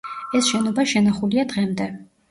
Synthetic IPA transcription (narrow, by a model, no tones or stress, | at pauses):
ɛsʃɛnɔbaʃɛnaχuliad̪ʁɛmd̪ɛ